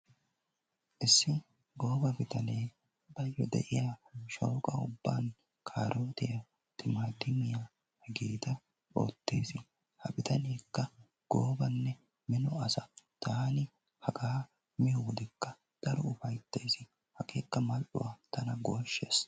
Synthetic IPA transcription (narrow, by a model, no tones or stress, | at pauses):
ʔɪsːɪ | ɡo̞ːbɐbɪt̪ɐneː | bɐjːɔd̪ɛ̰ʔɪjaːʃoːkʼɐʊbːaːn | kʰaːɾʔoːt̪ɪjɐ | t̪ɪmad̪ɪmɪjaː | hɛɡiːt̪ɐ | o̰ːt̪ːe̞̰ːsɪ | hɐbɪt̪ɐneːkːɐ | ɡ̥oːbɐnːɛ | mɪnɔɐsɐt̪aːnɪ | hɐɡaː | mɪjɔwd̪ɛkːɐ | d̪̥ɐɾɔʊfɐjt̪ːeːsɪ | hɐkeːkːɐmɐlʔʊ̰wat̪ɐnɐɡo̞ːʃːeːs